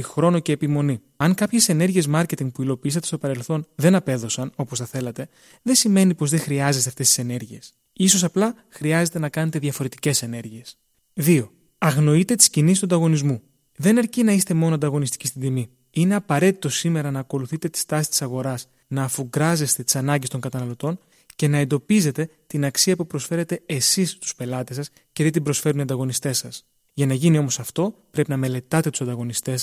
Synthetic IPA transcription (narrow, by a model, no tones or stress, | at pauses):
ixɾo̞no̞ce̞ːpimo̞ni | ɐŋkɐpçe̞se̞ne̞ɾʝie̞zmɐɾce̞t̪iŋɡ̚puilo̞piisɐt̪e̞st̪o̞pɐɾe̞lθo̞nðe̞nɐpe̞ðo̞sɐno̞posθɐθe̞lɐt̪e̞ | ðe̞sime̞nipo̞zðe̞xɾiɐzest̪ɐft̪est̪i̥se̞ne̞ɾʝie̞s | isosɐplɐ | xɾiɐze̞t̪e̞nɐkɐne̞t̪e̞ðʝɐfo̞ɾe̞t̪i̥ce̞se̞ne̞ɾʝie̞s | ðio̞ | ɐɣno̞it̪e̞t̪i̥scinisist̪uɐnd̪ɐɣo̞nizmu | ðe̞nɐɾcinɐist̪e̞mo̞noɐnd̪ɐɣo̞nist̪icist̪ind̪imi | ine̞ɐpɐɾe̞t̪i̥t̪o̞sime̞ɾɐnɐːko̞luθit̪e̞t̪i̥st̪ɐsist̪i̥sɐɣo̞ɾɐs | nɐːfuɡɾɐze̞st̪e̞t̪i̥sɐnɐɲɟest̪o̞ŋɡɐt̪ɐnɐlo̞t̪o̞n | ce̞nɐe̞nd̪o̞pize̞t̪e̞t̪inɐksiɐpupɾo̞sfe̞ɾe̞t̪e̞esist̪u̥spe̞lɐt̪e̞sɐs | ceðet̪ibɾo̞sfe̞ɾuniɐnd̪ɐɣo̞nist̪e̞sɐs | ʝɐnɐʝinio̞mo̞sɐft̪o̞pɾe̞pinɐme̞le̞t̪ɐt̪e̞t̪usɐnd̪ɐɣo̞nist̪e̞s